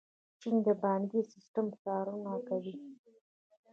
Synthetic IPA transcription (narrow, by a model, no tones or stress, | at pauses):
t͡ʃind̪əbɑnɡisɪsʈəmsɑɾunakawi